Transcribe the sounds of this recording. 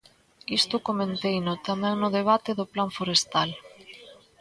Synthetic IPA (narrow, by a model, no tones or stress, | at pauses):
ist̪ʊkomẽnt̪ejnʊt̪amɛ̃ŋnʊðeβ̞at̪eðʊplaɱfoɾest̪al